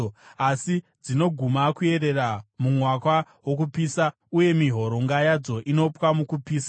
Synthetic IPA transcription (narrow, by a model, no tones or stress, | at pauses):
asid͡zino̞ɡʱumakue̞ɾe̞ramumwakwa | wok̬upiːsa | uje̞miɦo̞ɾo̞ŋɡajad͡zo̞ʔino̞pwamukupiːsa